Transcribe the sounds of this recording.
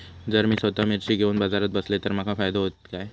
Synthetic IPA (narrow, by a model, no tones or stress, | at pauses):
d͡zəɾmiːsʋət̪amiɾɕiːɡʱeunbad͡zaɾət̪̚bəslet̪əɾmakʰafajd̪aɦot̪kaj